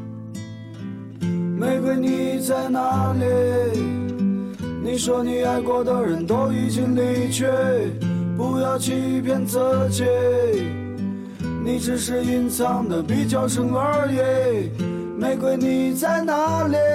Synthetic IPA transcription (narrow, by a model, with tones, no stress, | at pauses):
me˧˥ɪkwe˥˩ɪni˨˩t͡sa˥˩ɪna˧˥lɛ˧˥ | ni˨˩ʂwɔ˥ni˧˥a˧˥ɪkwɔ˧˩d̪ə˧˩ɻə˧˥nt̪o˥ʊi˨˩t͡ɕi˥ŋli˧˥t͡ɕʰɥɛ˥˧ | pu˧˩jɑ˥˧ʊt͡ɕʰy˥˧i˧˩pʰjɛ˥˧nt͡sɤ˧˥t͡ɕʰɛ˥˧˥ | ni˨˩ʈ͡ʂɻ̩˧˥ʂɻ̩˥˧i˥nt͡sʰɑ˥˩ŋd̪ə˨pi˨˩t͡ɕjɑ˥˧˩ʊʂə˧˥ŋə˧˥˧je˧ | me˧˥ɪkwe˥ɪni˨˩t͡sa˥˩ɪna˧˥li˧